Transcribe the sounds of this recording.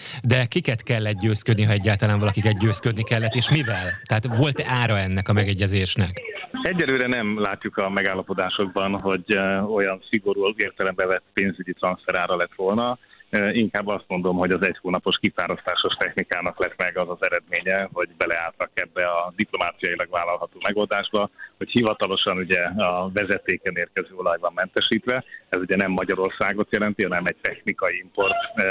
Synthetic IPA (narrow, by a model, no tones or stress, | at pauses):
d̪ɛkikɛt̪kɛlːɛt̪̚ɟøːskød̪niɦɒɛɟːaːt̪ɒlaːɱɒlɒkikɛt̪ɟøːskød̪nikɛlːɛt̪ːeːʃmivɛlt̪ɛɦaːt̪ʋo̞lt̪aːɾɒɛnːɛkɒmɛɡɛɟːɛzeːʃnɛkɛɟːɛløːɾɛnɛmlaːcːukɒmɛɡaːlːɒpo̞d̪aːʃo̞ɡ̚bɒnɦo̞ɟo̞jɒnsiɡo̞ɾuːleːrt̪ɛlɛmbɛvɛt̪peːnzyɟit̪rɒnsfɛɾaːɾɒlɛt̪ʋolnɒiŋkaːbːɒst̪mo̞nd̪o̞mɦo̞ɟɒzɛchoːnɒpo̞ʃkifaːɾost̪aːʃo̞ʃt̪ɛxnikaːnɒklɛt̪mɛɡɒzɒzɛɾɛd̪meːɲɛɦo̞ɟbɛlɛaːlt̪ɒkɛbːɛɒd̪iplomaːt̪sijɒilɒɡvaːlɒlɦɒt̪oːmɛɡo̞ld̪aːʒbɒho̞chivɒt̪ɒlo̞ʃɒnuɟɛɒvɛzɛt̪eːkɛneːrkɛzøːo̞lɒjbɒmːɛnt̪ɛʃiːt̪ʋɛɛzuɟɛnɛmːɒɟɒɾo̞rsaːɡot̪jɛlɛnt̪iɦɒnɛmɛc̚t̪ɛxnikɒjiimpo̞rt̪